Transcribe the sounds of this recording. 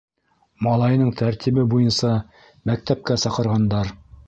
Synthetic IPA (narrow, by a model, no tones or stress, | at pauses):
mɑlˠɑjnɤɴt̪ʰæɾt̪ʰiβɘbujɤnsɑ | mæk̚t̪æp̚kæsɑqɤ̆ɾʁɑnd̪ɑɾ